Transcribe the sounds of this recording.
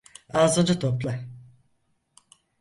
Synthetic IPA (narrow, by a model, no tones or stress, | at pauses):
aːzɯnd͡ʒat̪ʰoplˠa